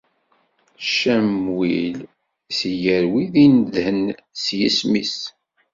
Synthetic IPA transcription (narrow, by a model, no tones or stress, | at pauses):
ʃæmwil | sjəɾwiðinðhənsjismis